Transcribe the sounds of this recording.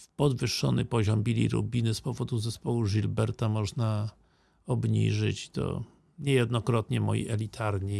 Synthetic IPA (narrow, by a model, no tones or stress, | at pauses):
pɔd̪vɘʂːɔnɘpɔʑɔmbʲilʲḭɾṵbʲinɘspɔvɔd̪uzɛspɔwuʐilbɛɾt̪amɔʐna | ɔbɲḭʐɘt͡ɕt̪ɔ̰ | ɲɛjɛd̪nɔkɾɔt̪ɲɛmɔ̰jḭʔɛlʲit̪ʰaɾɲi